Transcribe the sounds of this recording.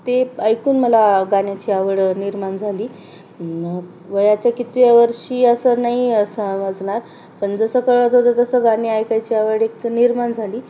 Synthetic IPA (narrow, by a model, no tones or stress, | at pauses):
t̪eəjkuːnməlaɡanjat͡ɕiːaʋəɽniɾmaɳd͡zʱaliː | ʋəjat͡ɕjakit̪ʋjaʋəɾʂiːəsənaɦisəməd͡zɳaɾ | pənd͡zəsəkəɭat̪ɦod̪ət̪əsəɡaniajkajt͡ɕiːaʋəɽekniɾmand͡zʱaliː